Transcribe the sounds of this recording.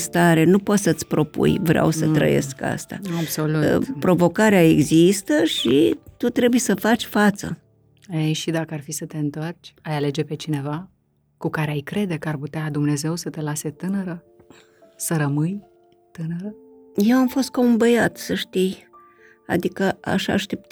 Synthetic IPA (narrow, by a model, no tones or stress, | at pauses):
st̪aɾe̞nupo̞t̪sət̪sʲpɾo̞pṵjvɾea̰wsət̪ɾə̰jḛska̰st̪a̰abso̞lutpɾo̞vo̞kaɾeaeɡzist̪əʃit̪ut̪ɾe̞bujesəfat͡ʃʲfat̪sə̰ | ejʃid̪akəarfisət̪e̞ɨnt̪o̞rt͡ʃʲajale̞d͡ʒe̞pe̞t͡ʃine̞va | kukaɾeajkɾe̞d̪e̞kəarput̪ead̪umne̞ze̞wsət̪e̞lase̞t̪ɨnəɾə | səɾəmɨj | t̪ɨnəɾə | je̞wamfo̞st̪̚kaumbəjat̪səʃt̪ij | a̰d̪ikəʔa̰ʃa̰ʃt̪e̞p̚t̪